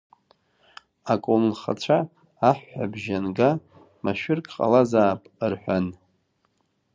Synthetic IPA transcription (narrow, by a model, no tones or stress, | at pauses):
akʷʼomnχa̰t͡ɕʷʰaː | ħːʷa̰bʒanɡa | maʃᶣɪrkʼqʼa̰lazaːpʼrħʷᶣan